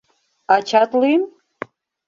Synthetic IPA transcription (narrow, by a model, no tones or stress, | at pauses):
at͡ʃʰatlijm